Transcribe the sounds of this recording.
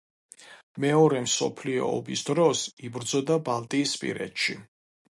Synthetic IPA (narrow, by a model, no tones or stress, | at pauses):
mɛɔɾɛmsɔ̰pʰliɔ̰ːbisd̪ɾɔsibɾd̪zɔd̪abalˠt̪ʼiːspʼḭɾɛ̰t̪ʃi